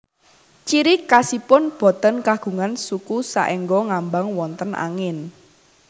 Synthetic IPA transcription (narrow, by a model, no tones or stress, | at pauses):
t͡ʃiɾikasipʊnb̥ɔ̤t̪ənkaɡ̥ṳŋansukusa̰ʔɛŋɡɔŋambaŋwɔnt̪ənʔa̰ŋɪn